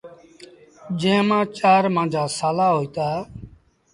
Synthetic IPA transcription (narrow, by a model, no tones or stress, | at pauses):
d͡ʒẽːmãːt͡ʃaːɾmãːd͡ʒʱaːsaːlaːɦoːiːt̪aː